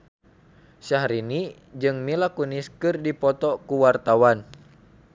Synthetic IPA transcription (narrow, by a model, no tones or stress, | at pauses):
saɦɾini | d͡ʒɨŋmilakuniskɨrdipɔt̪ɔkuwart̪awan